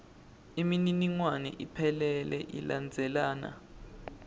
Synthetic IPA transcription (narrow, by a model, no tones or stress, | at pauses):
imininiŋwanɛ̰ʔipʰɛlɛlɛʔḭland͡zʱɛlaːna̰